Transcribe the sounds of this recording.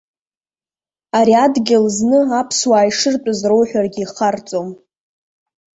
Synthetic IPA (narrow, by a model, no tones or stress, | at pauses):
aɾiadɡʲɪlznɨapʰswaːjʂɨrtʼʊzro̞wħʷᶣarɡʲiːχart͡sʼom